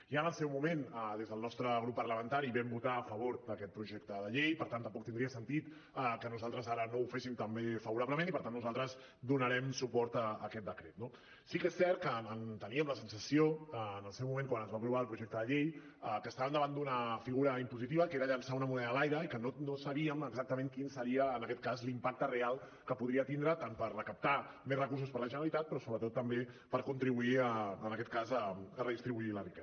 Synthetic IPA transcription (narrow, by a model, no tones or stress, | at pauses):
ianəlˠsɛwmumenəðezðəlˠnɔst̪ɾəɣ̞ɾupːərləmə̃nt̪aɾiβɛmbut̪aːfəβ̞oɾd̪əkɛt̪̚pɾuʒɛk̚t̪əðəʎejpəɾt̪ant̪əmpɔk̚t̪ind̪ɾiəsənt̪it̪ | əkənuzalˠt̪ɾəzaɾənoufesimt̪əmbefəβuɾabləmẽnipəɾt̪anːuzalˠt̪ɾəz | d̪unəɾɛmsupɔɾt̪əəkɛt̪̚d̪əkɾet̪̚no | sikesːɛɾt̪̚kəənt̪əniəmləsənsəsioəːnəlˠsɛwmumẽŋkwanəzβaːpɾuβaəlˠpɾuʒɛk̚t̪əðəʎej | əkəːst̪aβənd̪əβand̪unəfiɣuɾəimpuzit̪iβəkeɾəʎənsaunəmunɛðəlajɾəikənonosəβiəməɡzak̚t̪əmẽŋkinsəɾiəːnəkɛt̪̚kazlimpak̚t̪ərealˠ | kəpuðɾiət̪ind̪ɾət̪anpəɾrəkəp̚t̪a | mesrəkuɾs̬uspəɾləʒənɾəlit̪at̪̚pɾɔsoβɾət̪ot̪ːəmbe | pəɾkunt̪ɾiβuiəənəkɛt̪kazəərəðist̪ɾiβuilərikɛ